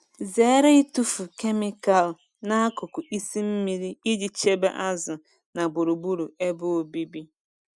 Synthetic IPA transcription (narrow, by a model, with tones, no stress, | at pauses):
ze˨e˦ɾe˦i˦tu˦fu˨ke˦mi˦ka˨l | na˦a˦kʊ˨kʊ˨i˦si˦m̩˦mi˦ɾi˦i˦d͡ʒi˨t͡ʃe˦bḛ˦ʔa˦zʊ˨ | na˨ɡ͡bʊ˨ɾu˨bu˦ɾu˨e˦bʊ˦o˨bi˦bi˦